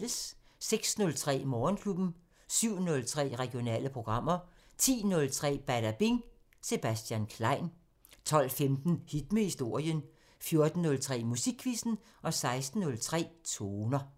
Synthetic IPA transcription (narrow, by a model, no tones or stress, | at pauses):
ləsː | eɡ̥snɔ̽lt͡sʰʁɛ̰ːmɒːnkʰlub̥n̩ | syʊ̰nɔ̽lt͡sʰʁɛ̰ːʁɛɡ̥io̝nɛ̰ːləpʰʁo̝ɡ̥ʁɑ̈m̰ɐ | t͡sʰḭːnɔ̽lt͡sʰʁɛ̰ːb̥æd̥æb̥iŋ | se̝b̥æsd̥jænkʰlɑ̈ɪ̰n | t͡sʰɒ̽l̰femd̥n̩hid̥məhisd̥o̝ɐ̰jən | fjo̝ɐd̥n̩ːɔ̽lt͡sʰʁɛ̰ːmusiɡ̥ʰʋisn̩ | ʔɒ̽sɑ̈ɪsd̥n̩ːɔ̽lt͡sʰʁɛ̰ːt͡sʰoːnɐ